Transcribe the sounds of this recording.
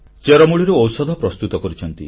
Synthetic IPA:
t͡ʃeɾɔmuɭiɾuɔwsɔd̪ʱɔpɾɔst̪ut̪ɔkɔɾit͡ʃʰɔnt̪ḭ

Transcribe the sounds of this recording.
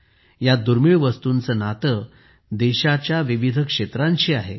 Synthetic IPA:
jad̪uɾmiɭʋəst̪unt͡sənat̪ə | d̪eɕat͡ɕjaʋiʋid̪ʱəkʂet̪ɾãnt͡ɕiːaɦe

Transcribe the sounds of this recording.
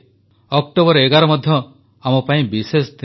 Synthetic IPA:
ɔkʈobɔɾɔeɡaɾɔmɔd̪ʱjɔ | amɔpaĩbisest̪i

